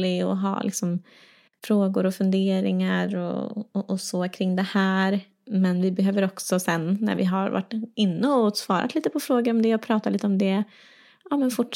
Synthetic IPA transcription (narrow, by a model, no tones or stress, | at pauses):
lɪɔ̰ɦɑ̰ːlɪ̰ksɔm | fɾoːɡʊɾɔfɵnd̪eːɾɪ̰ŋaɾɔ̰ɔɔsɔkʰɾɪŋːd̪ɛhæːɾ | mɛnvɪbɛɦøːvəɾɔksɔsɛnːæ̰ɾvɪ̰ɦaɾva̰ʈːɪnːəɔsvɑ̰ːɾʔa̰t̪liːt̪əpʰɔfɾoːɡəɾɔmd̪ɛɔpʰɾɑːt̪atliːt̪əɔmd̪ɛ | ʔɑːmɛnfʊʈ